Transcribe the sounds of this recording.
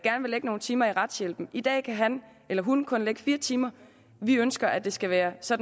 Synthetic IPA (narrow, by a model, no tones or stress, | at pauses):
ɡ̥æɐnʋe̝leɡ̥əno̝ːn̩t͡sʰiːmɐiʁɑ̈d̥sjel̰b̥n̩id̥ɛ̰ːkʰæɦæn | ʔelɐɦunkʰɔ̽nleɡ̥əfiːɐt͡sʰiːmɐ | ʋiønsɡ̥ɐʔæd̥e̝sɡ̥æʋæːɐsɒ̽d̥n